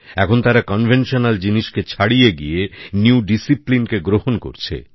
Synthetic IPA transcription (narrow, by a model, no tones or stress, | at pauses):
ɛkʰont̪aɾakɔnbʱenʃonald͡ʑiniʃket͡ɕʰaɽijeɡḭjenuuɖisiplinkeɡɾohonko̰ɾt͡ɕʰḛ